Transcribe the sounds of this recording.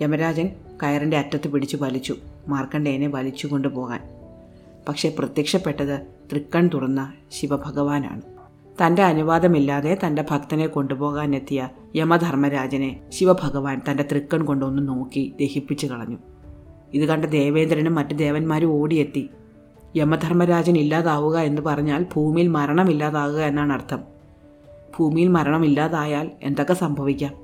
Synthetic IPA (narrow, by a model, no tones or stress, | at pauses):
emɐɾaːd͡ʑɐnkɐjɐrɐnde̞ɐtːɐt̪ːɨpiɽit͡ɕːupɐlit͡ɕːumaːrkɐɳɖeːne̞ʋɐlit͡ɕːuko̞ɳɖupo̞ːɣa̰ːn | pɐkʂe̞prɐt̪jɐkʂɐpːe̞ʈːɐðɨt̪rikːɐɳt̪urɐnːɐ | ɕiʋɐbʱɐɣɐʋaːna̰ːɳɨ | t̪ɐnde̞ɐnuʋaːd̪ɐmilːaːðe̞t̪ɐnde̞bʱɐkt̪ɐne̞ko̞ɳɖupo̞ːɣaːne̞t̪ːijɐ | jemɐd̪ʱɐrmɐɾaːd͡ʑɐne̞ɕiʋɐbʱɐɣɐʋaːnt̪ɐnde̞t̪rikːɐmko̞ɳɖo̞nːuno̞ːkːid̪e̞hipːit͡ɕːukɐɭɐ̰ɲːu | iðukɐɳɖed̪e̞ːʋe̞ːnd̪ɾɐnumːɐtːud̪e̞ːʋɐnmaːɾuo̞ːɽije̞t̪ːi | jemɐd̪ʱɐrmɐɾaːd͡ʑɐnilːaːðaːʋuɣɐe̞nːɨpɐrɐɲːaːlbʱuːmijilmɐɾɐɳɐmilːaːðaːɣuɣɐe̞nːaːɳɐrt̪ʰɐm | b̥ʱuːmijilmɐɾɐɳɐmilːaːðaːjaːle̞̰nd̪o̞kːe̞sɐmbʱɐʋikʲːaːm